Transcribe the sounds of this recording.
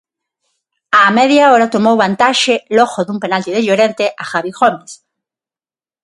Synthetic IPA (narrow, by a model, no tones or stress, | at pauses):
amɛðjaoɾat̪omowβant̪aʃeloɣoðumpenalt̪iðeʎoɾent̪eʔaxaβiɣomes